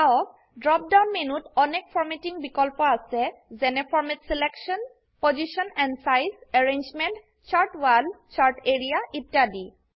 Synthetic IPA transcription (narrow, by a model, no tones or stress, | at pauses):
aw | dɹɔp̚dawnmenutɔnɛk̚fʰɔɹmetiŋbikɔlpɔasɛzɛnɛpʰɔɹmetsilɛksɔn | pozisɔnɛnsajsɛɹend͡ʒmɛnt | t͡ʃʰaɹtwalt͡ʃʰaɹteɹijaʔitjadi